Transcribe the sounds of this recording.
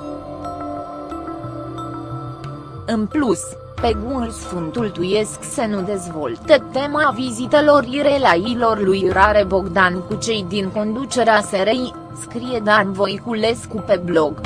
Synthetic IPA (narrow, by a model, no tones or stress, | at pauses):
ɨnplus | pe̞ɡulsfunt̪ult̪uje̞sksenud̪e̞zvo̞̰lt̪ət̪e̞mavizit̪elo̞riɾe̞lajilo̞rlujɾaɾe̞bo̞ɡd̪ankut͡ʃe̞jd̪iŋko̞nd̪ut͡ʃe̞ɾeaseɾej | skɾije̞d̪anvo̞jkule̞skupe̞blo̞ɡ